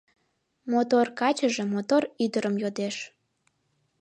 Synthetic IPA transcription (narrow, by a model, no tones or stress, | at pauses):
mot̪orkɑt͡ɕəʒe̽mot̪oryd̪əɾəmjod̪eʃ